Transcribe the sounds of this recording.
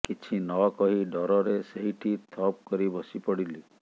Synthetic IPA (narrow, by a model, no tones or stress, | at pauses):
kit͡ʃʰinɔkɔɦiɖɔɾɔɾeseɦiʈʰit̪ʰɔp̚kɔɾibɔsipɔɽili